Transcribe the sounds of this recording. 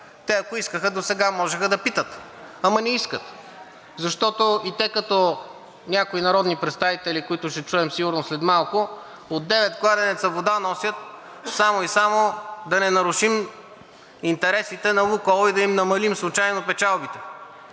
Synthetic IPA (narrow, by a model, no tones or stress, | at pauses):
t̪ɛɐkoiskəxəd̪osɛɡamɔʒɛxəd̪ɐpit̪ət̪ | ɐmɐnɛiskət̪ | zɐʃt̪ɔt̪oit̪ɛkɐt̪ɔ | nʲakoinɐɾɔd̪nipɾɛt̪st̪avit̪ɛlikoit̪ʊʃtɛt͡ʃuɛmsiɡʊɾnoslɛd̪malˠkʊ | od̪ːɛvɛt̪ɡlˠad̪ɛnɛt̪sɐvod̪anɔsjət̪̚ | samoisamod̪ɐnɛnɐɾʊʃim | int̪ɛɾɛsit̪ɛnɐlukɔlˠoid̪ɐimnɐmɐlimslˠʊt͡ʃajnopɛt͡ʃalˠbit̪ɛ